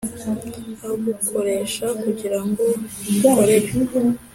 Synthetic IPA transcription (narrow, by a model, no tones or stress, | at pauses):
aɡukʰo̞ɾe̞ːʃakuɟiɾaŋɡo̞ɡukoɾej